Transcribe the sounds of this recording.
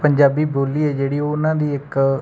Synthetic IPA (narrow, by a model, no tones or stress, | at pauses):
pəɲd͡ʒaːbiːboːliːɛːd͡ʒeːɽiːoʊnãːd̪iːɪk